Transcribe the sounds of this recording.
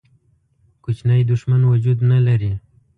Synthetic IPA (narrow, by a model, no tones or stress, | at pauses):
kʊt͡ʃnajd̪ʊʃmanwad͡ʒud̪nalaɾi